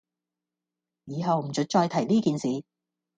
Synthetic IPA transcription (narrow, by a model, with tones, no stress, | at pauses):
jiː˨˧ɦɐ˨˧wm̩˨˩t͡ʃɵ˨˥t̚t͡ʃɔː˧jt̪ʰɐ˨˩jliː˥kiː˨nsiː˨˧